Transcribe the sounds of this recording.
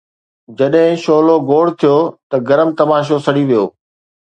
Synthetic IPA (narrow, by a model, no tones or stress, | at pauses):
d͡ʑɐɗɦɪ̃ʃoːloɡoːɽt̪ʰijot̪ɐɡɐɾəmt̪ɐmaːʃ̬osɐɽiʋijoː